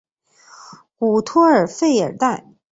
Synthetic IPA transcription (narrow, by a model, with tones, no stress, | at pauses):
ku˨˩t̪ʰɔ˥ə˞˨˩fe˥˩ɪə̰˞˨˩t̪a˥˩n